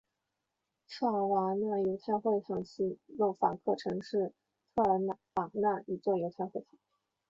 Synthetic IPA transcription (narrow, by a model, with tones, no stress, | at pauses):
ʈ͡ʂʰɑ˥˩wa˧˥na˥˩jo˧˥ʊt̪ʰa˥˧xwe˥˩ɪt̪ʰɑ˨˩ŋɕʰi˧˥lo˥˩ʊfa˨˩kʰɤ˥˩ʈ͡ʂʰɤ˧˥ŋʂɻ̩˥˩ | t̪ʰɤ˥˩ə˧˥na˥˩fɑ˨˩ŋna˥˩y˨˩t͡swɔ˥˩jo˧˥ʊt̪ʰa˥˧xwe˥˩ɪt̪ʰɑ̥˨˩˦